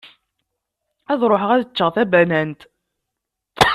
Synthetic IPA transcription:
æðɾˤoħəʁæðət͡ʃːəʁθæbænænt̪

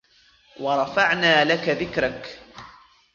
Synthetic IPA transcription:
wɑɾˤɑfaʕnaːlakaðɪkɾak

